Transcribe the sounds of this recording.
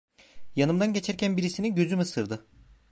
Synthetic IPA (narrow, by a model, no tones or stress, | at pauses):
janɯmd̪anɟe̞t͡ʃʰæɾcʰænbiɾisiniɟøzymɯsɯɾd̪ɯ